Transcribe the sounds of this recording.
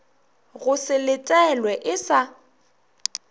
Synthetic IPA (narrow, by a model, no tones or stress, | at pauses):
ɣʊsɪlɪtʼɛlwɛʔɪsa